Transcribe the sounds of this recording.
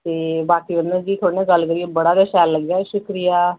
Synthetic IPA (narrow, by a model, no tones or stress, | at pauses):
t̪eːbaːkiːʋənd̪əɾd͡ʒiːt̪ʰoːɽneːɡəlːkəɾieːbəɽaːd̪əʃɛːlːəɡjaːʃʊkɾijaː